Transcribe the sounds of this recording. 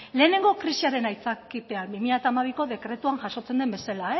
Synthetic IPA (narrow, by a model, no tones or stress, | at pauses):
le̞ːne̞ŋɡo̞kɾisiaɾe̞najt͡sakipe̞anbimiʎat̪aːmaβ̞iko̞ðe̞kɾe̞t̪uaŋʝaso̞t͡se̞nd̪embe̞salae